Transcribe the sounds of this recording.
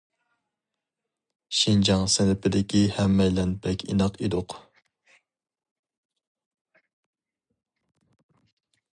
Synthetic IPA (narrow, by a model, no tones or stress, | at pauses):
ʃind͡ʒɑŋsɪnɪpʰɪd̪ɪkʲihɛmːɛjlɛnpʰɛkʲḭnɑqid̪ʊq